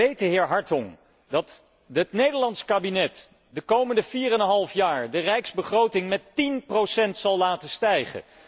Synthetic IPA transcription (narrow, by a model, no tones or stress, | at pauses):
ejtəɦɪːɹɦɑɹtɔŋ | dɑt | ɦətnejdəɹlɑntskaːbinɛt | dəkowməndəviːrənɦɑlˠfjaːɹdərɛjkz̥bəχrowtɪŋmɛtinprowsɛntsɑlˠlaːtəstɛjχə̰